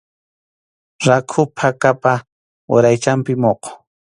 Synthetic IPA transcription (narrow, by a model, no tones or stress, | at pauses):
ɾakʰʊpʰakapa | wa̰ɾajt͡ʃampɪmoqo̥